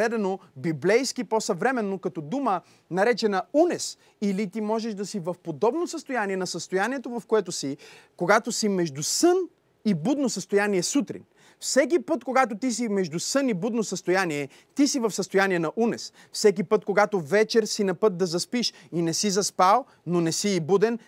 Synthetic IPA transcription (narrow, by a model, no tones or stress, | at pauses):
ɛd̪ɛnobiblɛjskiposɐvɾɛmɛnːokɐt̪ɔd̪umə | nɐɾɛt͡ʃɛnɐunɛs | ilit̪imɔʒɛʃd̪ɐsivɐfpod̪ɔbnosəst̪ojaniɛnɐsəst̪ojaniɛt̪ovɐfkoɛt̪osikoɡat̪osimɛʒd̪usɤn | ibud̪nosəst̪ojaniɛsut̪ɾḭn | fsɛk̬ipɤt̪koɡat̪ot̪is̬imɛʒd̪usɤnibud̪nosəst̪ojaniɛ | t̪isivɐfsəst̪ojaniɛnɐʔunɛs | fsɛk̬ipɤt̪̚koɡat̪ovɛt͡ʃɛɾsinɐpɤt̪̚d̪ɐzɐspiʃ | inɛsizɐspalˠ | nonɛsiːbud̪ɛn